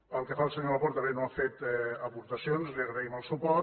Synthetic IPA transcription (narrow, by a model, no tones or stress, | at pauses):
pəlˠkəfalˠsəɲoapɔɾt̪əβenoafet̪ɛəpuɾt̪əsionzliəɣɾəiməlˠsupɔ